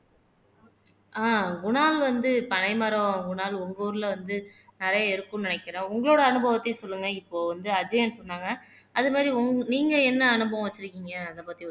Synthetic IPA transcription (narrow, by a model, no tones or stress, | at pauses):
ʔaːɡʊɳaːlʋɐnd̪ɯpɐɳɐɪmɐɾõɡʊɳaːlʊŋɡoːɾɯlʋɐnd̪ɯnɪɾɐjɐɛɾɯkːɯ̃mnɪnɛkːɪɾẽːʊŋɡɐɭoːɽɐːnɯbɐʋɐt̪ːɐsɔlːɯŋɡɐɪpːoːʋɐnd̪ɯɐd͡ʒɐjɐnsɔnːaːŋɡɐ | ɐðɯmaːd̪ɾiʊŋɡniːŋɡɐɛnːɐːnɯbɐʋɐ̃ʋɐt͡ʃːɪɾɯkːiːŋɡɐːðɐpaːt̪ːi